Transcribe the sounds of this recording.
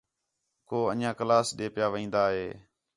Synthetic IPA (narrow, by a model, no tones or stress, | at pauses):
koːə̰njãːkəlaːsɗeːpɪjaːʋĩːnd̪aːɦeː